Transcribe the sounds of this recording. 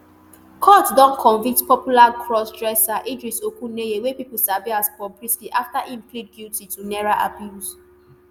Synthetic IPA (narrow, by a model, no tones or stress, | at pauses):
kʰɔtdɔ̃nkʰɔ̃nvĩktpɔpjulakʰɹɔsdɹɛsaʔidɹisokũnejewepipul̩saviaspɔbɹiskiʔaftaʔĩmplid̚ɡiltitunɛɹaʔa̰bjus